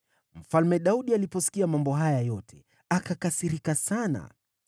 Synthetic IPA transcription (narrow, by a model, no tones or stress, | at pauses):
m̩falmɛɗauɗialipɔsi̥kiamambɔɦajajɔtʰɛ | akakasiɾikasana̰